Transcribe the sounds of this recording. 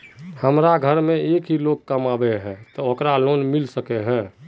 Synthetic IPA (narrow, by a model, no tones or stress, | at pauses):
həmɾaɡʱəɾmẽeːkɦilokkːəmabeɦɛ̃t̪ɔokɾaloːnmilsəkeɦɛ̃ː